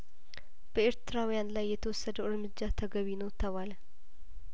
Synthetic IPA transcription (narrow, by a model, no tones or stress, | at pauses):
b̥əeɾt̪ʰɨɾawjanlajːɛt̪ʰəwɔsːəd̪əwɨɾmɨd͡ʒːat̪ʰəɡəβinowt̪ʰəβal